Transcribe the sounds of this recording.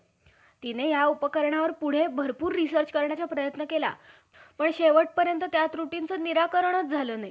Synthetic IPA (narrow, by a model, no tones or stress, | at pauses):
t̪inejaupəkəɾɳjaʋəɾpuɽ̤ebʱəɾpuːɾːisəɾt͡ɕkəɾɳjat͡ɕapɾəjət̪nəkela̰ | pəɳɕeʋəʈ̚pəɾjənt̪ət̪jat̪ɾuʈint͡səniɾakəɾɳ̃ət̪̚d͡zʱaləːnaji